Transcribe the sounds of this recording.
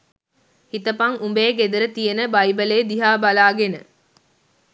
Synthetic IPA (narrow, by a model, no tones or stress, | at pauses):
hit̪əpɐŋumbeːɡed̪əɾət̪ijənəbɐjbəleːd̪iɦaːbalaːɡenə